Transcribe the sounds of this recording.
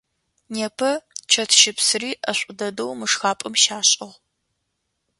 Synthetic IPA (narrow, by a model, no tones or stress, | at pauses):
neːpʰɐt͡ʃʰɐtʰʃɪpsɨriːʔɐɕʷʼʊdɐdɐwmɨʂxaːpʼɐmʃaːɕʼɐʁ